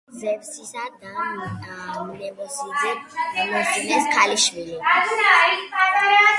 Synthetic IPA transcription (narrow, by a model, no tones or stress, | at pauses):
zɛpsisad̪a | mnɛbɔsizɛnɔsinɛskʰaliʃwili